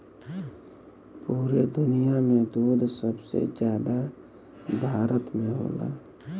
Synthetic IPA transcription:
puːɾed̪ʊnijamẽd̪uːd̪ʱsəbsḛd͡ʒjaːd̪a | bʱaːɾət̪mẽɦo̰ːla̰ː

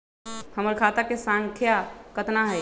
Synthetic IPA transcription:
həməɾkʰaːt̪əɾkesãŋkʰjakət̪naɦɛ

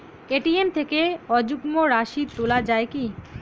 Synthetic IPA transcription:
keʈiemt̪ʰekeɔd͡ʑukmoɾaʃid̪̚t̪olad͡ʑaeki

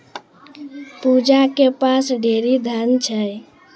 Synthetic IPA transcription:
pud͡ʒakepasɖʱeɾid̪ʱant͡ʃʰə

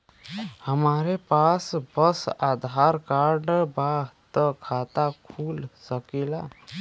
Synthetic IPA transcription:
həmaɾepasbəsad̪ʱaɾkaɾɖbaɦt̪əkʰat̪akʰulsəkela

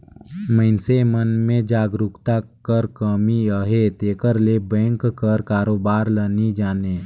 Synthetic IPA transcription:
məɪnsemənmẽd͡ʒaːɡɾʊkt̪akəɾkəmiəɦet̪eːkəɾlebɛ̃ːŋkkːəɾkaːɾoːbaːɾlənid͡ʒaːneː

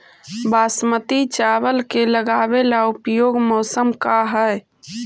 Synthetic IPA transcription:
baːsmət̪it͡ʃaβəlkeləɡaːbelaupjoːɡmɔːsəmkaɦəj

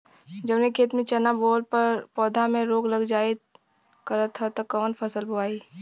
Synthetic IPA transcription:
d͡ʒəbnekʰeːt̪mẽt͡ʃɐnaboːlpɐɾpɔːd̪ʱamẽɾoːɡlɐɡd͡ʒaːe | kɐɾət̪ʰɦət̪ɐkɔːnpʰɐsəlbʱʊaːiː

